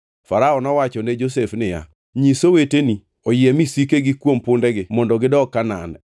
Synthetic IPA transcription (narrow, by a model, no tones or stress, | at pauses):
faɾaɔnɔwat͡ʃɔned͡ʒosefnɪja̰ | ɲisoweteni | ojɪɛmisikeɡɪkwompʊndɛɡɪmɔndɔɡɪdɔkana̰nɛ̰